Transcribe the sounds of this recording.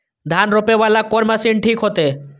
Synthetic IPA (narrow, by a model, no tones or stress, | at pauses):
d̪ʱanɾopebalakɔɾmasinʈʰikɦot̪e